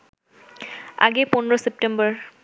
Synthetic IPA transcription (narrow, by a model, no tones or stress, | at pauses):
a̰ɡepɔnɹɔsep̚ʈembɔɹ